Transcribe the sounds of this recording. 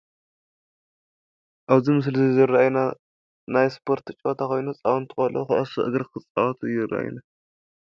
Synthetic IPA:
ʔaβzimɨs̬lzizɨraajna | najspʰo̞ɾt̪ɨt͡ʃʼot̪ʰakʰo̞jnut͡sʼawnt̪ʰɨxʼɐlṵxɨʔɐsɨʔɨɡɾkʰɨt͡sʼawt̪ʰɨjɨrʔa̰ʔaj̰na

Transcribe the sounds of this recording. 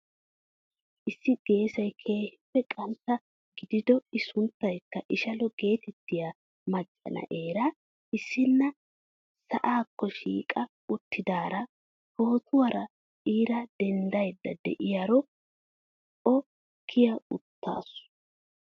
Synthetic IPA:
ʔɪsːɪɡ̥e̞ːsɐjkʰe̞ːhɪpːɛkʼɐnt̪ːɐ | ɡɪd̪ɪd̪ɔɪsʊnt̪ːɐjkːɐʔɪʃɐlɔɡe̞ːt̪ɛt̪ːɪja | mɐt͡ʃʼːɐ̰nɐ̰ʔe̞ːɾɐ | ɪsːɪnːɐ | sɐʔaːkːɔʃḭːkʼɐ | ʊt̪ːɪd̪aːɾɐ | ho̞ːt̪ʰʊwɐɾɐ | ʔiːɾɐd̪̥ɛnd̪ɐjd̪ːɐd̪ɛ̰ʔɪjaɾɔ | ʔɔ | kʰːɪjɐʊt̪ʰːa̰ːsʊ̥

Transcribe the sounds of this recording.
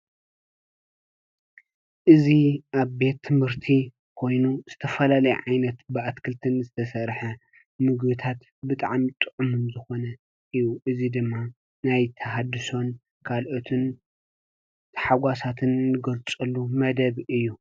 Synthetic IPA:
ʔɨziʔaβbe̞t̪ʰːɨmhɨɾt̪ʰi | kʰo̞jnuz̥ɨt̪ʰɐfɐlalɐjʕajnɐt̪bɨat̪kʰɨlt̪ʰɨnzɨt̪ʰɐsɐɾħɐ | mɨɡbɨt̪ʰat̪ | bɨt̪ʼa̰ʕmit̪ʼɨʕumɨnzɨxo̞nɐ | ʔɨjuʔɨzid̪ɨmːa | najt̪ʰɐɦad̪ɨso̞n | kʰalʔot̪ʰɨn | t̪ʰħaɡʷasat̪ʰɨnːɨɡɐlt͡sʼɨlːumɐd̪ɐβɨjːu

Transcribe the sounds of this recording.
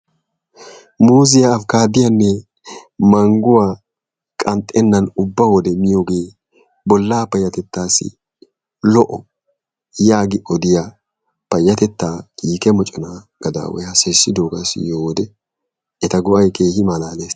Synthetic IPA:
muːzɪjaːfkaːd̪ɪjɐnːɛ | mɐŋɡʊwaː | kʼɐnt̪ʼːɛnːɐnʊbːɐwɔd̪ɛmɪjoːɡe̞ː | bɔlːaːpɐjːɐt̪ɛt̪ːaːsɪ̰ | lɔʔɔ | jaːɡɪʔɔd̪ɪja | pɐjːɐt̪ɛt̪ːaːkiːkɛmɔt͡ʃʼɔna | ɡ̥ɐd̪a̰ːwɛ̰hɐsɛsːɪd̪oːɡasjoːd̪ɛ | ɛt̪ɐɡʊʔɐjke̞ːhɪmalaːleːs

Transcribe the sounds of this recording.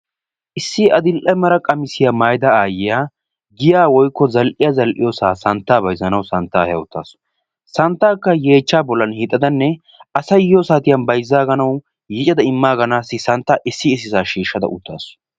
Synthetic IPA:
ʔɪsːɪʔɐd̪ɪlʔɛmɐɾɐkʼɐmɪsɪjaːmaːjd̪ɐaːjɪjaː | ɡɪjaːwɔjkːɔzɐlʔɪjazɐlʔɪ̰joːsaːsɐnt̪ːaːbɐjzɐnɐwsɐnt̪ːa̰ːhɛjɐ̰ʊt̪ːa̰ːs | sɐnt̪ːaːkːɐjeːt͡ʃːaːbɔlːɐnhɪt̪ʼːɐd̪ɐnːɛ | ɐsɐjjoːsaːt̪ɪjɐnbɐjzːaːɡɐnɐw | jɪt͡ʃʼɐd̪ɐɪmːaːɡɐnaːsːɪsɐnt̪ːaːʔɪsːɪːs̬ɪzaːʃiːʃːɐd̪ɐ̰ʔʊt̪ʰːa̰ːs

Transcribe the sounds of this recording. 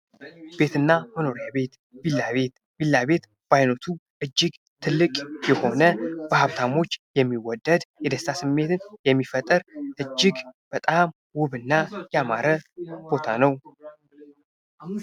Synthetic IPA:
b̥e̞t̪ɨnːaməno̞ɾjabe̞t̪ | bilːaβe̞t̪ | bilːaβe̞t̪ | b̥ajnot̪ʰu | ʔɨd͡ʒːɪɡ | t̪ʰɨlːɨkʼjɛho̞nəb̥əhaβt̪ʰamo̞t͡ʃːjɛmːiwɔd̪ːəd̪jɛd̪əst̪ʰasɨmːe̞t̪ʰɨnjɛmːifət̪ʼːɨɾʔɨd͡ʒːɪɡb̥ət̪ʼam | wʊβɨnːajɛamaɾəb̥o̞t̪ʰa̰nəw

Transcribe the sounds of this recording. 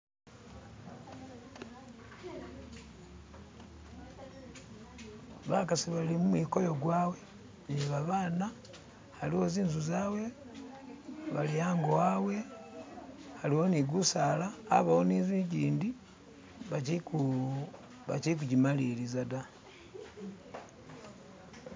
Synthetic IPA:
βakasiβalimumwikojo̞ɡwaːwe̞ | niβaβaːna | haliwoziːnzuzaːwe̞ | βaliaːŋɡowawe̞ | haliwoniɡusaːla̰ːβahoniːziɟiːndi | βaciu | βa̰cik̬uɟimalilizada

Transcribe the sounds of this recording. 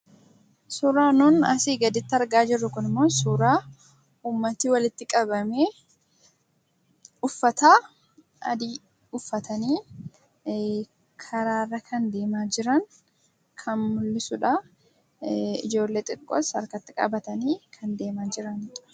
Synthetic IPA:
suːɾaːnʊːnɐ̰siːɡɐd̪ɪt̪ːɐɾɡaːd͡ʒɪrːʊkʊnɪmːo̞ːsuːɾaː | uːmːɐt̪ɪwɐlɪt̪ːɪkʼɐbɐmeː | ʊfːɐt̪aː | ɐ̰d̪iː | ʊfːɐt̪ɐniː | kʰɐɾaːrːɐkʰɐnd̪e̞ːmaːd͡ʒɪɾɐŋ | kʰɐnmʊlːɪsʊᶑa | ɪd͡ʒo̞ːlːeːt̪ʼɪkʼːo̰sɐɾkɐt̪ːɪkʼɐ̰bɐt̪ɐniːkʰɐnd̪e̞ːmaːd͡ʒɪɾɐnᶑɐ̥

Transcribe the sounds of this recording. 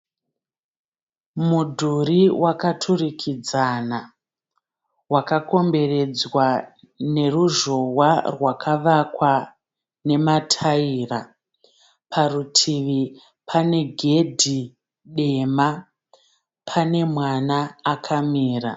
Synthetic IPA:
mudʱuɾiwʔakatʰurikʰid͡zana | wakako̞mbe̞re̞d͡zwa | ne̞ruʒo̞warwakʰaʋakwa | ne̞matʰaiːra | pʰarutʰiʋi | pʰane̞ɡʱe̞dʱi | ɗe̞ma | pʰane̞mwanaːkʰamiːra̰

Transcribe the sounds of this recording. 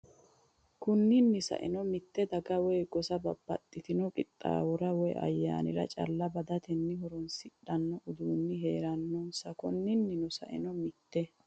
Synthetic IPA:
kʊnːɪnːɪsɐ̰ʔɪ̰nɔmɪt̪ːɛd̪ɐɡɐwɔjɡɔsɐbɐbːɐ̰t̪ʼːɪt̪ɪnɔkʼɪt̪ʼːa̰ːwɔɾɐwɔjɐ̰jːa̰ːnɪ̰ɾɐ̰t͡ʃʼɐ̰lːɐbɐd̪ɐt̪ɛnːɪɦɔɾɔnsɪᶑɐnːɔʔʊd̪uːnːɪɦe̞ːɾɐnːɔnsɐkʊnːɪnːɪnʊsɐ̰ʔɪ̰nɔmɪt̪ːɛ

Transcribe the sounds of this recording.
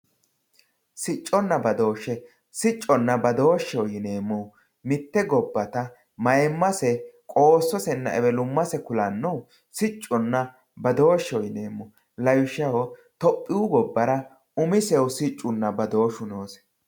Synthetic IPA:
sɪt͡ʃʼːɔnːɐbɐd̪o̞ːʃɛ | sɪt͡ʃʼːɔnːɐbɐd̪o̞ːʃːɛwjɪneːmːɔ | mɪt̪ːɛɡɔbːɐt̪ɐ | mɐjɛmːɐsɛkʼo̞ːsːɔsɛnːɐ̰ʔɛbɛlʊmːɐsɛkʊlɐnːɔw | sɪt͡ʃʼːɔnːɐ | bɐd̪oːʃːɔwjneːmːɔ | lɐjʃːɐwɔt̪ɔpʼːɪʊɡɔbːɐɾɐ | ʊmɪsɛwʊsɪt͡ʃʼːʊnːɐbɐd̪o̞ːʃʊnoːs

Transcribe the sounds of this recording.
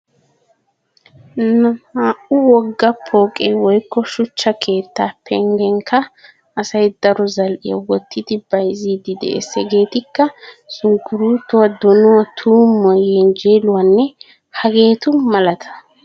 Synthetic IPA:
nɐmaːʔʊwɔɡːɐpʰːoːkʼeːwɔjkːɔʃʊt͡ʃːɐkʰe̞ːt̪ːaːpʰɛŋɡɛŋkʰɐ | ɐsɐjd̪ɐɾɔzɐlʔɪ̰jɐ̰wɔt̪ːɪt̪ɪbɐjziːd̪ɪd̪ɛ̰ʔḛsɛɡe̞ːt̪ɪkːɐsʊŋkːʊɾuːt̪ːɔwɐd̪ɔnɔwɐt̪ʰuːmːɔjend͡ʒeːlʊwɐnːɛ | hɐɡe̞ːt̪ʊmɐlɐt̪ʰɐ̥

